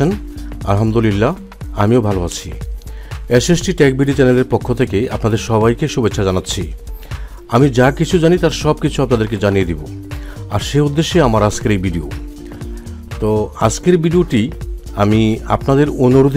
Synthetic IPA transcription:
ena̰lɦamd̪olilːa | amiobʱaloat͡ɕʰi | esesʈiʈɛk̚biɖit͡ɕɛneleɾpokʰːot̪ʰekeapnad̪eɾʃɔbajkeʃubet͡ɕːɕʰad͡ʑanatːɕʰi | amid͡ʑakit͡ɕʰud͡ʑanit̪aɾʃɔb̚kit͡ɕʰuapnad̪eɾked͡ʑanijed̪ibo | aɾʃeud̪ːeʃːeamaɾad͡ʑkeɾejbiɖio̰ | t̪oad͡ʑkeɾbiɖioʈi | amia̰pnad̪eɾonoɾud̪ʱ

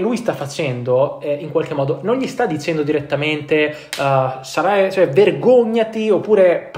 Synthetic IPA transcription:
lujst̪afːat͡ʃɛnd̪oɛiŋkwalk̟emːɔːd̪ononʎist̪ad̪ːit͡ʃɛnd̪od̪iɾet̪ːament̪e | saɾajt͡ʃɛverɡoɲːat̪iopːuːɾep

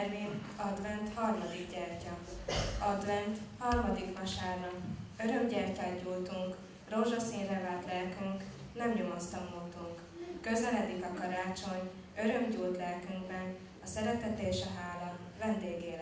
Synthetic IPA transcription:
rmiː | ɒd̪vɛnt̪hɒrmɒd̪iɡɟɛrcɒ | ɒd̪vɛnt̪hɒrmɒd̪ikmɒʃaːrnɒø̞ɾømɟɛrcaːɟuːlt̪uŋk | roʒɒsiːnrɛvaːlt̪lɛlkyŋk | nɛmɲomost̪ɒmult̪uŋkː | ø̞zɛlɛd̪ikɒkɒɾaːt͡ʃo̞ɲ | ø̞ɾø̞mɟuːlt̪lɛlkyŋɡbɛn | ɒsɛɾɛt̪ɛt̪eːʃɒɦaːlɒ | vɛnd̪eːɡeːl

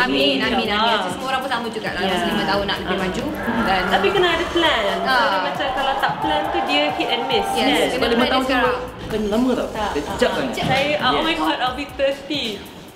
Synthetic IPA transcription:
amĩnamĩnãisəməoɾãŋpət̪aməd͡ʒuɡa̰ʔlalslimə̃t̪aɦʊnːa̰ʔləbɪmãd͡ʒu | danapikənaadəplɛ̃naaamat͡ʃamkalawt̪aplɛ̃nt̪udiəkʰiʔɛnmɪsjɛkənaliməaɡakənlamə̃t̪aded͡ʒalaajamajkɔtalbit̪əsti

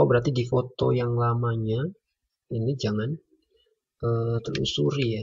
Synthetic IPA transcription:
bəɾart̪idifot̪o̰jaŋlamaɲa | inid͡ʒaŋan | ʔət̪əlṵsuɾia

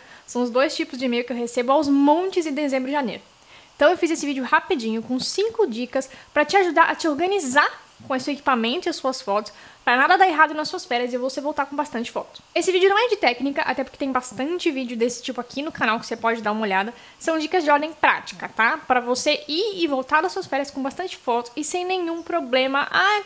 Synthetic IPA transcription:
sɐ̃w̃ʊzd̪ojst͡ʃipʊzd͡ʒɪimejʊkɪewɦesebʊawzmõnt͡ʃɪzɪ̃d̪ezẽmbɾʊd͡ʒɪʒanḛjɾʊ | ẽnt̪ɐ̃w̃ewfizesɪvid͡ʒʊhapid͡ʒĩɲʊkõsĩŋkʊd͡ʒikɐspɾɐt͡ʃɪaʒud̪aɾʔɐ̰t͡ʃɪoɾɡɐniza | kõesewekipamẽnt̪ʊiɐsuɐsfɔt̪ʊ̥spɾɐnad̪ɐd̪aɾeɦad̪ʊnɐsuɐsfɛɾɐzɪevosevowt̪aɾkõbast̪ɐ̃nt͡ʃɪ̥fɔt̪ʊ̥sesɪvid͡ʒɪʊnɐ̃w̃ɛd͡ʒɪt̪ɛknikɐʔa̰t̪ɛp̬ʊɾkɪt̪ẽj̃bast̪ɐ̃nt͡ʃɪvid͡ʒɪʊd̪esɪ̥t͡ʃipʊakʰinʊkanawkɪ̥sepɔd͡ʒɪd̪aɾũmɐoʎad̪ɐ | sɐ̃w̃d͡ʒikɐzd͡ʒɪɔɾd̪ẽj̃pɾa̰t͡ʃi̥kɐt̪apɾɐvoseiɪvowt̪aɾd̪ɐsuɐsfɛɾjɐskõbast̪ɐ̃nt͡ʃɪ̥fɔt̪ʊ̥ɪsẽj̃nẽɲũpɾoblẽmɐʔa

